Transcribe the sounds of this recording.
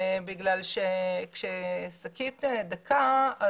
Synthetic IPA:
biɡlalʃekʃesakit̪ed̪akʰaa

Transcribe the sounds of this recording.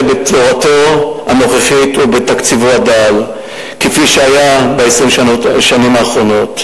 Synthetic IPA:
betoʁato̞ano̞χeχitubetakt͡sivuadal | kefiʃeajabeesʁimoʃanimaːχʁo̞no̞t

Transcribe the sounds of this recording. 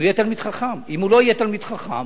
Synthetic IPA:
ijɛt̪almid̥̪χaχamimulo̞ijɛt̪almid̪̥χaχa̰m

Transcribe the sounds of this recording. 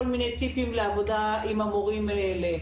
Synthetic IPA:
minetipimlavutaimamoɣimɛlɛ

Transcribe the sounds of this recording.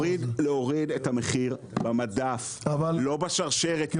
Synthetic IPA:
ʁid̪leoʁidethameχiʁ | bamadaf | avallo̞baʃaʁʃeʁe

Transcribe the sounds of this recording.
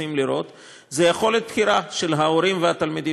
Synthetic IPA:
imliɾo̞t̪ | ze̞jaχo̞let̪̚pxiɾaʃe̞lɦao̞ɾimvehat̪almid̪i

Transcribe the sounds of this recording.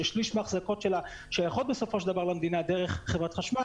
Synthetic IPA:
eʃliʃmaχzako̞tʃela | ʃejaχo̞t̪̚beso̞fo̞ʃeld̪avaʁlamd̪inad̪eʁeχχevʁat̪χaʃma

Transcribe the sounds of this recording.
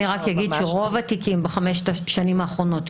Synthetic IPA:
iʁakjaɡidʃeʁo̞vatikimbeχameʃet̪aʃanimaːχʁo̞no̞t̪

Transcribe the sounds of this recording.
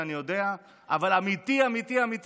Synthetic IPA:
anijo̞d̪e̞a | ʔa̰valamit̪iamit̪iamit̪

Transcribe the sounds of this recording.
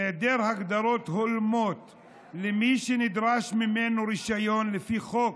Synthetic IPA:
ed̪eːɾhaɡd̪ɑɾˤoːt̪hʊlmoːt̪ | lɪmiʃinɪd̪ɾaːʃmɪmːenuɾiʃajoːnlɪfixoːk̚

